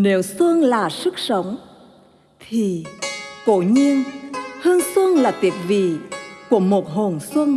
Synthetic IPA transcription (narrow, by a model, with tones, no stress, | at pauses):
ne˨˦wsɨ˧əŋlaː˨˩sɨ˦˥k̚sə˨˦wŋ͡m | t̪ʰi˨˩ko˧˩˦ɲi˧ənhɨ˧əŋswɨ˧əŋlaː˨˩t̪i˨˩əp̚vḭ˧˨ku˧˩əmo˨˩t̚ɦo˨˩nswɨ˧əŋ